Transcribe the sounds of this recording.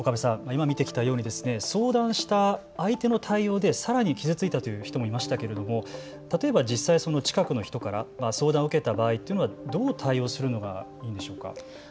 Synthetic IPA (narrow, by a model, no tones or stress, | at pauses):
okabesãmaimamʲit̪e̞kʲi̥t̪ajo̞ːɲ̟id̪e̞sɨne̞so̞ːd̪ãɰ̃ɕi̥t̪aː | it̪e̞no̞t̪ʰaio̞ːd̪e̞saɾaɲ̟ikʲizɨt͡sɨit̪at̪o̞jɯ̟çi̥t̪o̞mo̞imaɕi̥t̪ake̞ɾe̞d̪omo̞ | t̪at̪o̞e̞bad͡ʑisːaiso̞no̞t͡ɕi̥kakɯ̟no̞çi̥t̪o̞kaɾamaso̞ːd̪ãɰ̃ɯ̟ke̞t̪abaːit̪ːeɯnoad̪o̞ːt̪ʰaio̞ːsɨɾɯ̟no̞ɡa̰ | iːnd̪e̞ɕo̞ːka̰